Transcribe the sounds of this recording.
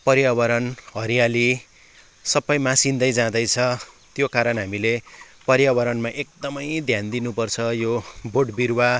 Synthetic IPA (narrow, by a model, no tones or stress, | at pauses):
pʌɾjabʌɾʌnɦʌɾijali | sʌbʌjmãsind̪ʌjd͡zãd̪ʌjt͡sʰʌ | t̪jokaɾʌnɦamile | pʌɾjawʌɾʌnmaʔek̚d̪ʌmʌjd̪ʱjand̪inupʌrt͡sʰʌjoboʈbirwa